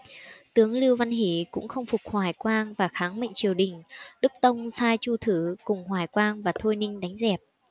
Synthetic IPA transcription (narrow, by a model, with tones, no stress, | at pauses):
t̪ɨ˨˦əŋli˧əwva˧nɦe˨˧˩kʊ̰˧˥ŋ͡mxə˧wŋ͡mfʊ˨˩k͡p̚hwaː˨˩jkwaː˧ŋvaː˨˩xaː˨˦ŋmə̰˧˨ŋ̟t͡ɕi˨˩əwɗï˨˩ŋ̟ɗɨ˦˥k̚t̪ə˧wŋ͡msaː˧jt͡ɕu˧t̪ʰɨ˨˧˦kʊ˨˩ŋ͡mhwaː˨˧˩jkwaː˧ŋvaː˨˩t̪ʰo˧jnï˧ŋ̟ɗa˨˦jŋ̟zɛ˨˩p̚